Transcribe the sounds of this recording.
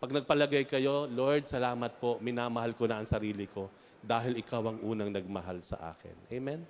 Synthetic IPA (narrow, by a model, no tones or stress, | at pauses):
pɐɡ̚nɐɡ̚pɐlɐɡajkɐjo̞loɹd̪̚sɐlaːmɐt̪̚po̞mɪnaːmɐhalkonɐʔɐŋsɐɾiːlɪkʰo̞ | d̪aːɦɪlʔɪkawɐŋʔuːnɐŋnɐɡ̚mɐɦalsɐ̰ʔa̰ːkɪ̰nʔɛjmɛn